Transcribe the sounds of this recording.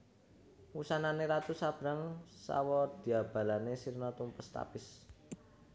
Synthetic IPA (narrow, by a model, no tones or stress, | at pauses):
wusananeɾat̪usab̥ɾaŋsa̰wɔd̪̥i̤ab̥a̤lanesirnɔt̪umpəst̪a̰pɪs